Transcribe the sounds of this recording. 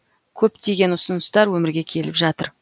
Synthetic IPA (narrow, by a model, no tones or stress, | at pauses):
kʲʰɵp̚t̪ʰe̞ɡʲe̞nʊsənəst̪ɑɾwɵmɪɾɡʲe̞kʲʰe̞lɪpʒɑt̪ə̰ɾ